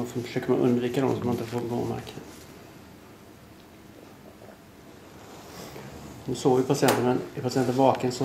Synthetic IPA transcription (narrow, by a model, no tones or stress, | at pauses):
sɔfœ̥ʂøːkəɾmanʔɵ̰nd̪viːkad̪ɔ̰msɔmhanɪnt̪əfoːɾɡo̰ːma̰kə | nʉsoːjɪpʰasɪɛnt̪əɾmɛnɪpʰasɪɛnt̪əɾvɑːkənsɔ